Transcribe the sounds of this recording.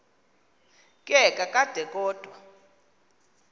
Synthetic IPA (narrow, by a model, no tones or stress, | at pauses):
kʼɛkʼakʼad̥ʱɛkʼɔːd̥ʱwa